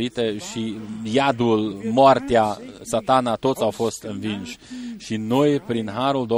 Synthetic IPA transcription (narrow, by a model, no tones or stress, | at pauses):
it̪eʃijad̪ulmoart̪easat̪anat̪o̞t̪sawfo̞st̪ɨnvinʃʲʃino̞jpɾinɦaɾuld̪o